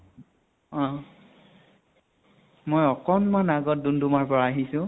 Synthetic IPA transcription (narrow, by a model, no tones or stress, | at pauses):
ɔ̃ | mojɔkɔnmanaɡɔt̚dundumaɹpɔɹaaɦisʊ̃